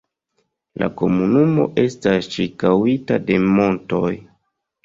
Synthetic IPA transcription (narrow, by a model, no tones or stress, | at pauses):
la̰ko̞munumo̞̰ʔe̞stasʃikawitade̞mo̞nto̞j